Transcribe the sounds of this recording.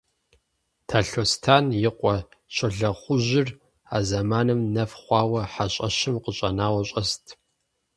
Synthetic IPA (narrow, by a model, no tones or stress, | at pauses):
tʰaːɬoːstʰaːnjɪqʷʼɔ | ɕʰʼɐɮɐχʷʊʑɪr | aːzɐmaːnɨmnɐfχʷɑːwɐħaɕʼɐɕɪmqəɕʼɐnaːwɐɕʼɐstʰ